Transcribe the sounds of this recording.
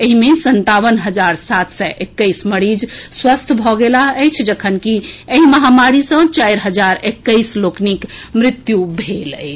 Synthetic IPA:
eɦimesənt̪aʋənɦəd͡ʒaɾsat̪səʔekːəɪsməɽid͡ʒswəst̪ʰbʱɔɡelaəjt͡ʃʰd͡ʒəkʰənkieɦiməɦamaɾisə̃t͡ʃajɾɦəd͡ʒaɾekːəjsloknikmɾɪt̪jubʱelə̰jt͡ʃʰ

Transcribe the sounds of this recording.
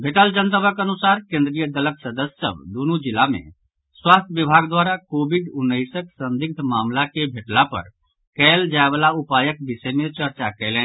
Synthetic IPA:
bʱeʈəld͡ʒənt̪əbəkənusaːɾkẽnd̪ɾijəd̪ələksəd̪əssə̰bd̪onud͡ʒɪlamḛ̃ | swaːst̪ʰjəʋibʱaɡd̪waːɾakoːbʱiɖʊnːəɪsəksə̃nd̪ɪk̚t̪ʰmaːmlakebʱeʈlapə̰ɾ | kɛːld͡ʒaebalaupaːjək̚bisɛmet͡ʃəɾt͡ʃakɛɪlɛ̃n

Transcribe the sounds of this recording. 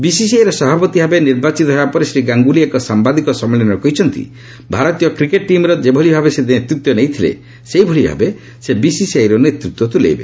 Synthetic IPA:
bisisajɾɔsɔbʱapɔt̪ibʱabeniɾbat͡ʃit̪ɔɦɔapɔɾesɾiɡaŋɡuliekɔsambad̪ikɔsɔmːelɔnɔɾɔkɔɦit͡ʃʰɔnt̪ḭ | bʱaɾɔt̪ijɔkɾikeʈ̚ːimɾɔd͡ʒebʱɔɭibʱabesenet̪ɾut̪wɔnejt̪ʰilḛ | seibʱɔɭibʱa̰be | sebisisajɾɔnet̪ɾut̪wɔt̪ulḛjbe

